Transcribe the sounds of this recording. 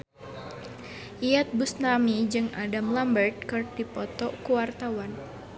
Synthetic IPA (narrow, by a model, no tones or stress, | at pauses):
ʔijat̪̚busnamid͡ʒɨŋadamlambərt̪̚kɨrdipɔt̪ɔkuwart̪awan